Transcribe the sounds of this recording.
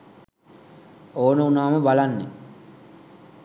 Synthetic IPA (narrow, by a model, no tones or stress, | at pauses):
oːnəunaːməbalanːḛ